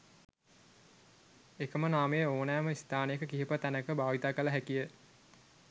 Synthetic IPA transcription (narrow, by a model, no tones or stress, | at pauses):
ekəmənaːmejəoːnæːməist̪aːnejəkəkiɦipət̪ænəkəbaːʋit̪aːkələɦækijə